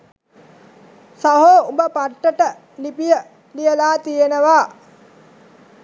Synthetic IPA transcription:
saɦoːubəpaʈːəʈə | lipijə | lijəlaːt̪ijenəʋaː

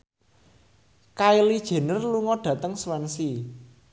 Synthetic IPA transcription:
kailid̥ʒ̥e̤nərluŋɔɖ̥ä̤t̪əŋswɛnsi

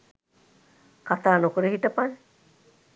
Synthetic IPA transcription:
kat̪aːnokuɾeɦiʈəpan

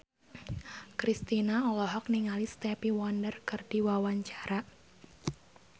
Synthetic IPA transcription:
kɾist̪inaɔlɔɦɔk̚niŋalist̪ɛpiwɔndərkɨrd̥iwawaɲt͡ʃaɾa

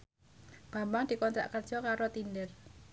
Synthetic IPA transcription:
b̥a̤mbaŋd̪̥i̤kɔnt̪ɾa̰ʔkərd̥ʒ̥ɔkaɾot̪indər

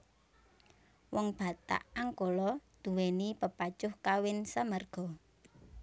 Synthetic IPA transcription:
wɔŋb̥ä̤t̪a̰ʔaŋkolɔd̪̥ṳwɛnipəpat͡ʃʊhkawɪnsamərɡ̥ɔ̤

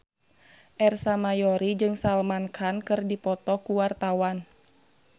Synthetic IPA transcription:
ʔɛrsamajɔɾid͡ʒɨŋsalmankʰankɨrdipɔt̪ɔkuwart̪awan

